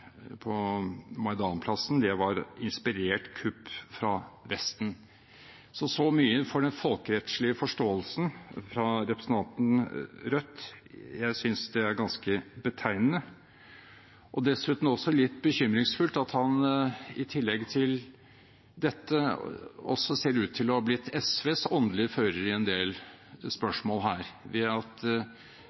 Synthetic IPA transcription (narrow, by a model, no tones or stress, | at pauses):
pʰɔmɑɪd̪ɑːnpʰlɑsnd̪ɛʋɑɾɪnspɪɾeːʈkʰʉpːfɾɑʋɛst̪n̩ | sɔsɔmyːəfɔɖɛnfɔlkəɾɛt̪ʂɭɪəfɔʂʈoːəlsən̩fɾɑɾɛpɾəsən̩ɑnt̪n̩ɾœt̪ːjæɪsʏnsd̪ɛæɾɡɑnskəbət̪ʰæɪnənə | ʔɔd̪ɛsʉːt̪n̩ɔsɔlɪt̪ːbəçʏmɾɪŋsfʉlt̪ɑt̪hɑnɪt̪ʰɪlːɛɡt̪ʰɪl | d̪ɛt̪ːə | ɔ̰sːɔseːɾʉːt̪ʰːɪlɔhɑblɪt̪ʰːɛsʋeːsɔnd̪lɪəføːɾəɾɪɛnd̪eːl | spœʂmoːlɦæːɾʋɛɑt̪